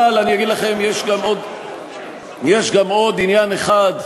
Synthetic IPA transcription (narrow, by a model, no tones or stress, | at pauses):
alanijaɡid̪laχe̞mjeʃɡamo̞d̪ | jeʃɡamo̞d̪injaneχad̪